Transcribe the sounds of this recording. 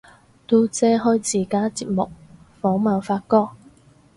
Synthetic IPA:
t̪uː˧t͡sɛː˧ɦɔ˥jt͡siː˨˩kaː˥t͡siː˧˥t̚mʊ˨k̚ | fɔː˨˥ŋmaː˨˩nfaː˧t̚kɔː˥k̚

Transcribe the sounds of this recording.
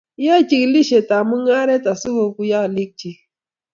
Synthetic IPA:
ja˦t͡ʃi˨kli˦ʃe˨ta˨mu˦ŋa˦ɾe˦ta˨su˦wo˨ku˦ja˦˨li˦k̚t͡ʃi˦

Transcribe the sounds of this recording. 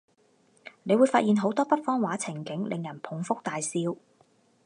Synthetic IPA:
ne˨˧jwuː˨˧jfaː˧t̚jiː˨nɦo˨˥wt̪ɔː˥pɐ˥t̚fɔː˥ŋwaː˨˥t͡sʰɪ˨˩ŋkɪ˨˥ŋlʔɪ˨ŋjɐ˨˩npʰʊ˨˥ŋfʊ˥k̚t̪aː˨jsiː˧w

